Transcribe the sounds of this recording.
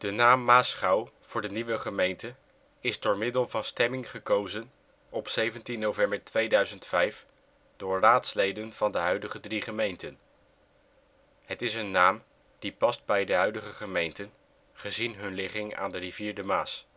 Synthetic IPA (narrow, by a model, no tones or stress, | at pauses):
d̥ənaːmːaːsχɑw | v̥ʊːɹdəniʋəχəmejntə | ɪzdʊːɹmɪdəlˠvɑnstɛmɪŋχəkowzən | ɔpsejvəntinːowvɛmbəɹtʋejdœɥzəntfɛjf | d̥ʊːɹraːtslejdənv̥ɑndəɦœɥdəχədriχəmejntən | ɦətɪsənːaːm | d̥ipɑsd̚bɛjdəɦœɥdəχəχəmejntən | χəzinɦɵnlɪχɪŋa̰ːndəriviːɹdəmaːs